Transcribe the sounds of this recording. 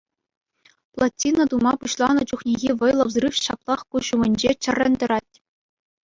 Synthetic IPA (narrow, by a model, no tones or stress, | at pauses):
plˠatʲːinad̪umɑpuɕlˠɑnɤ̆t͡ɕuχnʲiɣʲiʋɤ̆jlˠɤ̆ʋzrɯfɕɑplˠɑχkuɕumʲɘ̆nʲd͡ʑet͡ɕɘ̆rʲːɘ̆nʲd̪ɤ̆ɾɑtʲ